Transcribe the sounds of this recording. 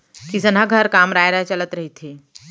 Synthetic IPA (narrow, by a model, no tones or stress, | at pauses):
kisənɦaɡʱəɾkaːmɾaːjɾaɦt͡ʃɐlət̪ɾɐɦit̪ʰɦeː